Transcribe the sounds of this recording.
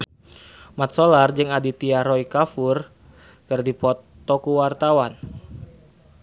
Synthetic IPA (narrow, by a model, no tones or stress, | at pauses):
mat̪̚solard͡ʒɨŋadit̪iaɾɔikafur | kərdipɔt̪ː | ɔkuwart̪awan